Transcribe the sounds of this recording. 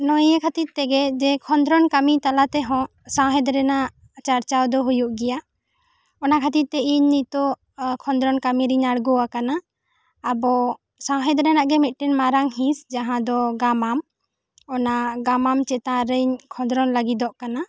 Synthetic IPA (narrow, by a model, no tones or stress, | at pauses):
nɔjɛkʰat̪it̪̚t̪ɛɡɛd͡ʒɛkʰɔnd̪ɾɔnkamit̪alat̪ɛɦɔ̃ | sãwɦɛ̃d̪ɾɛnaʔʔ | t͡ʃaɾt͡ʃawd̪ɔɦujuʔɡɛja | ɔnakʰat̪it̪̚t̪ɛiɲnit̪ɔ | kʰɔnd̪ɾɔnkamiɾiɲaɽɡɔwakanaː | bɔ | sãwɦɛd̪ɾɛnaʔɡɛmit̪̚ˀʈɛnmaɾaŋhĩsd͡ʒaɦãd̪ɔɡamam | ɔnaɡamamt͡ʃɛt̪ãɾəɲkʰɔ̃nd̪ɾɔnlaɡid̪ɔʔkana